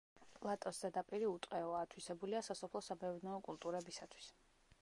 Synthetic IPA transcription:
pʼlˠat̪ʼɔszɛd̪apʼiɾiut̪ʼqʼɛɔaːt̪ʰwisɛbuliasasɔpʰlˠɔsabɛvɾnɛːkʼulˠt̪ʼuɾɛbisat̪ʰwi̥s

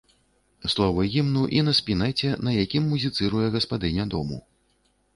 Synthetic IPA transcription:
slˠɔvɐɣʲimnuʔinɐspʲinajt͡sʲɛnɐjakʲimːuzʲit̪sɨɾujɛɣɐspad̪ɨnʲɐd̪ɔ̰mṵ

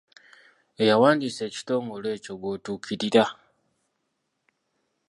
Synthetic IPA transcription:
e̞jawaːndise̞ːci̥to̞ːŋɡo̞le̞ːco̞ɡo̞ːtuːkʰiɾiɾa

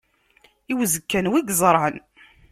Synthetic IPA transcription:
iwzəkːænwiɡzˤəɾˤʕən

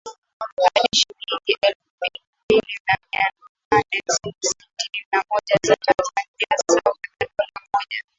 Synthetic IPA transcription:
haɗiʃiɾiŋiʔɛlfubil | mbilinaɲan | nanɛssitininamɔʄazitafaniasakakatunamɔʄa

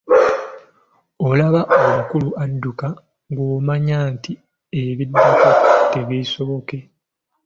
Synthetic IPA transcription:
olaβaʔomukuluʔadːuka | ŋɡoːmaɲaːnti | eβidːukateβiːso̞βo̞ke̞

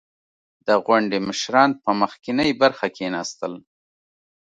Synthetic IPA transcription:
d̪̥əɣwaɳɖeməʃɾɑnpəməxkɪnəjbaɾxakʰenɑst̪əl

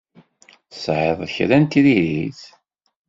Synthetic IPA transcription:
θsʕeðˤçɾænt̪iðiɾiθ

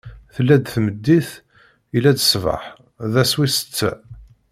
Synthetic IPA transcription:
θlːæd̪θməd̪ːiθ | ilːæd̪əsvɑ̰ħ | ðæswisə̥t͡sːæ̰

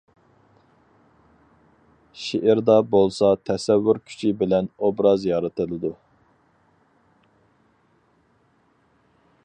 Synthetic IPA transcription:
ʃeʔɪɾd̪ɑbolˠsɑt̪ʰɛsɛvːyɾkʲʰy̥t͡ʃʰibɪlɛnobɾɑzjɑɾɨt̪ʰɨlˠɨd̪u

